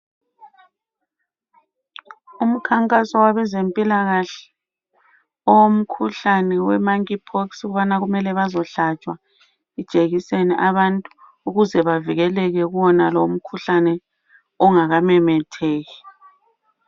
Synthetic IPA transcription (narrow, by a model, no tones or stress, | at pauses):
um̩kʰaŋkʼasɔwaβɛzempʼilaɣaɬɛ̥ | ɔwom̩kʰuɬanɛwɛmaŋkipʰɔksɣuβanaɣumɛlɛβazɔɬat͡ʃʼwa | i̥t͡ʃʼeɣisenɛʔaβantʼu | uɣuzɛβaviɣɛlɛɣɛɣuwɔnaloum̩kʰuɬanɛ | ɔŋaɣamɛmɛtʰeːɣi